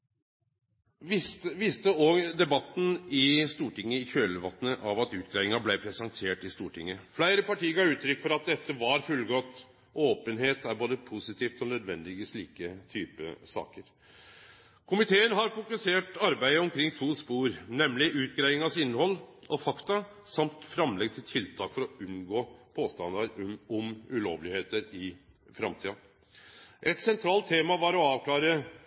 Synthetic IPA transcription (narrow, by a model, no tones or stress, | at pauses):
ɪʋɪst̪əɔɡd̪ɛbɑt̪ːnɪst̪uːʈɪŋːəɪçøːləʋɑ̰t̪ːənəʔɑʋɑt̪ʉːt̪̚ɡɾæɪʋɪŋɑblæɪpʰɾɛsɑŋt̪ʰeːʈɪst̪uːʈʰɪ̰ŋːəflæɪɾəpɑʈiːəɡɑːʉːt̪ʰɾʏkːfɔɾɑt̪̚d̪ɛt̪ːəʋɑɾfʉlɡɔt̪ː | ʔoːpənɦeːt̪æɾboːd̪əpʰʊsɪt̪ʰiːft̪ɔnœd̪ʋɛnd̪ɪʋiːsliːkət̪ʰyːpə̰sɑ̰ːkəɾ | kʰʊmɪt̪ʰeːənɦɑɾfʊkʉseːʈɑɾbæɪəɔmkʰɾɪŋːt̪ʰuːspuːɾnɛmlɪʔʉːt̪̚ɡɾæɪɡɪŋɑsɪnːhɔlːɔfɑkt̪ɑ | sɑmt̪fɾɑmlɛɡ̚t̪ʰɪlt̪ʰɪlt̪ʰɑːkfɔɾɔʉnɡoːpʰoːst̪ɑnd̪ɑɾɔmʉlo̰ːʋlɪheːt̪əɾɪ | fɾɑmt̪ʰiːɑ | ʔɛt̪sɛnt̪ʰɾɑːlt̪ʰːeːmɑʋɑɾɔɑːʋkʰlɑːɾə